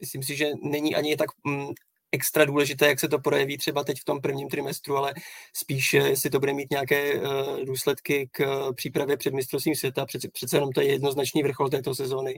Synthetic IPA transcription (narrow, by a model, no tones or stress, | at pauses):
mɪsliːms̬ɪʒɛnɛɲiːʔa̰ɲɪt̪ak | ʔɛkst̪ɾaduːlɛʒɪt̪ɛːjaksɛt̪o̞pɾojɛviːt̪r̥ɛbat̪ɛcft̪o̞mpr̩vɲiːmt̪ɾɪmɛst̪ɾualɛspiːʃjɛslɪt̪o̞budɛmiːt̪ɲɛjakɛːduːslɛt̪kɪkpr̝̥iːpɾavjɛpr̝̥ɛdmɪst̪ɾost̪viːmsvjɛt̪arɛpr̥ɛt̪t͡sɛjɛno̞mt̪ojɛjɛdno̞znat͡ʃniːvr̩xo̞lt̪ɛːt̪o̞sɛzo̞ːnɪ